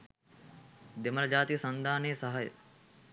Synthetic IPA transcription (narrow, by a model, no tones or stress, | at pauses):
d̪emɐɾɐd͡ʑaːt̪isɐnd̪ʱaːneːsɐɦɐj̰